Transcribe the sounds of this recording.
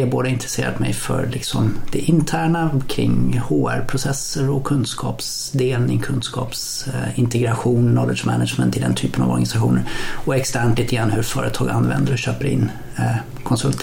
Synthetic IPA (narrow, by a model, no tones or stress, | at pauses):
aboːd̪əɪnt̪ɾɛseːɾa̰t̪mɛjfœ̰ɾlɪksɔmd̪̥ɛʔɪnt̪ʰæːɳakʰɾɪ̰ŋhoːæ̰ɾpʰɾʊsɛsːəɾɔkʰɵnd̪skʰɑːps | d̪eːlnɪŋkʰɵnd̪skʰɑ̰ːps | ɪnt̪ɛɡɾaɧuːnnɔləʂmɛnad̪ʂmɛnt̪ʰɪld̪ɛnt̪ʰyːpəna̰vɔ̰ɾɡanɪsaɧuːnəɾɔɛkst̪æɳʈliːt̪əɡɾanːhɵɾfœːɾət̪ʰɑːɡanːvɛ̰nd̪əɾɔɕøːpəɾɪ̰nː | kʰɔnsɵlt̪